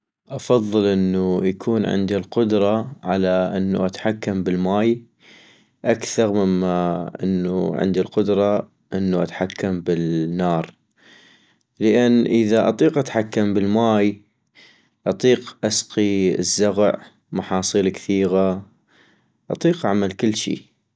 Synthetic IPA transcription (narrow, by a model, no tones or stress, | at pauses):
ʔɑfɑðˤːɨlʔənːujakʰuːnʕɪ̰nd̪ilqʊd̪ɾˤɑʕalaʔɪnːṵʔat̪ħakːambɪlmaːj | ʔakθɑɾˤmɪmːaʔɪ̰nːṵʕɪ̰nd̪ilqʊd̪ɾˤɑ | ʔɪnːuʔa̰t̪ħakʰːambɪlnːɑːɾˤ | ləʔɪnːʔəðaʔɑ̰t̪ˤiːqʔat̪ħakːambɪlmaːj | ʔɑt̪ˤiːqʔasqiə̰zːaɣʕ | mɑħɑːsˤiːlkθiːɣa | ʔɑt̪ˤiːqʔaʕmalkɪlːʃḭː